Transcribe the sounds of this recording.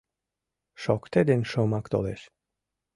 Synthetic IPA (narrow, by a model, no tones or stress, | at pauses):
ʃɔkt̪ed̪enʃomakt̪o̰leʃ